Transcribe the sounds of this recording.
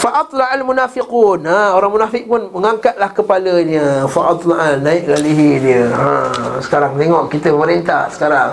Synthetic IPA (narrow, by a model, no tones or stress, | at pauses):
faʔɑt̪ˤlɑʔalmunafiqunaoɾaŋmunafɪk̚pʊnməŋaŋkat̪̚lahkəpaləɲəfaʔɑt̪ˤlaʔanaɪʔlaliɦidiəã̰sə̥kaɾaŋt̪eŋɔʔkit̪əməməɾint̪a̰hsə̥kaɾaŋ